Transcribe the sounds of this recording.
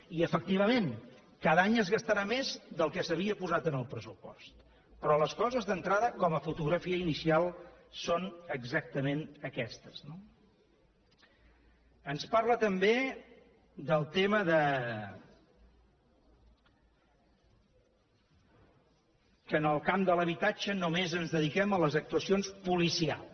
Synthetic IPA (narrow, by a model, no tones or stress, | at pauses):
iəfək̚t̪iβ̞əmen | kaðaɲəzɣəst̪əɾamezd̪əlˠkɛsəβ̞iəpuzat̪ənəlˠpɾəsupɔ̰st̪ | pɾɔləskɔzəzðənt̪ɾaðəkɔməfut̪uɣɾəfiəinisialˠsonəɡzak̚t̪əmenəkɛst̪ə̥zno | ənsparlət̪əmbe | d̪əlˠt̪eməðə | kənəlˠkamd̪ələβit̪ad͡ʒənumezənzðəðikɛmələzək̚t̪uəsionspulisia̰l